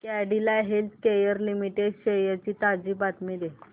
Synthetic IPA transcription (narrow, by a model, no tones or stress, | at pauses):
kɛɖilaɦelt̪kejəɾlimiʈeɖɕejat͡ɕiːt̪ad͡ʑiːbat̪mid̪e